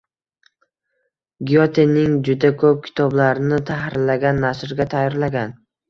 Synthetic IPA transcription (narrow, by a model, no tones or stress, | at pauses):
ɡʲijot̪ʰenːɪŋd͡ʒʊd̪akʰɵp̚kʲʰɪ̥t̪ʰɒblaɾɪnɪt̪ʰahɾɪllːaɡʲanːaʃɾɡʲat̪ʰajːɒɾlaɡʲan